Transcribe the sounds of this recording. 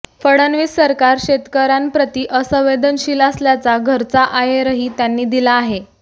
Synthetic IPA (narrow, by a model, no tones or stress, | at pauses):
fəɽənʋiːsːəɾkaɾɕet̪kəɾampɾət̪iːʔəsəʋed̪ənɕiːləsljat͡saɡʱəɾt͡saʔajeɾəɦiːt̪janːiːd̪ilaːɦe